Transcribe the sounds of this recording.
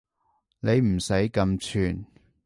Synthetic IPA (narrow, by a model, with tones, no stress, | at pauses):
ne˨˧jm̩˨˩sɐ˨˥jkɐ˧mt͡sʰyː˨˩n